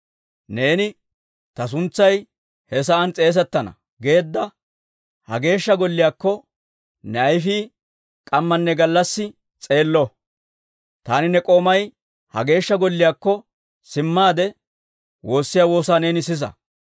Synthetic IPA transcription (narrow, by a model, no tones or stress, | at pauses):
ne̞ːnɪ | t̪ɐs̬ʊnt͡sːɐj | hɛs̬ɐːnt͡sʼe̞ːs̬ɛt̪ːɐnɐ̰ | ɡe̞ːd̪ːɐ | hɐ̰ɡe̞ːʃːɐɡɔlːɪjaːkːɔ | nɛɐjfiː | kʼɐmːɐnːɛɡɐlːɐsːɪ | t͡sʼe̞ːlːɔ | t̪aːnɪnɛkʼo̞ːmɐj | hɐ̰ɡe̞ːʃːɐɡɔlːɪjaːkːɔ | sɪmːaːd̪ɛ | wo̞ːsːɪjaːwo̞ːsaːne̞ːnɪsɪsɐ̰